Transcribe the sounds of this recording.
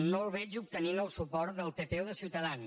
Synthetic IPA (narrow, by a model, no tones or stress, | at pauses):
nolˠβɛt͡ʃup̚t̪əninəlˠsupɔɾt̪̚d̪əlˠpepɛwðəsiwt̪əðan